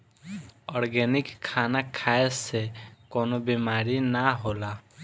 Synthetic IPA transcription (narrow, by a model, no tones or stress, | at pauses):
ɔɾɡɛnikʰːanakʰaesekɔnɔbimaɾinaɦola